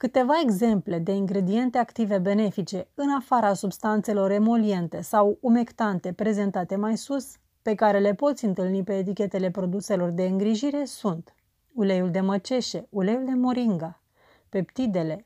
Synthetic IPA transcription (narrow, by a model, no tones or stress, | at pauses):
kɨt̪e̞vae̞ɡze̞mple̞d̪e̞iŋɡɾe̞d̪ie̞nt̪e̞akt̪ive̞be̞ne̞fit͡ʃe̞ɨnafaɾasubst̪ant̪se̞lo̞ɾe̞mo̞lie̞nt̪e̞sawume̞kt̪ant̪e̞pɾe̞ze̞nt̪at̪e̞majsus | pe̞kaɾe̞le̞po̞t̪sʲɨnt̪ɨlnipe̞ːt̪̬ikʲe̞t̪e̞le̞pɾo̞d̪use̞lo̞rd̪e̞ɨŋɡɾiʒiɾe̞sunt̪ | ulejuld̪e̞mət͡ʃe̞ʃe̞ule̞juld̪e̞mo̞ɾiŋɡa | pe̞pt̪id̪e̞le̞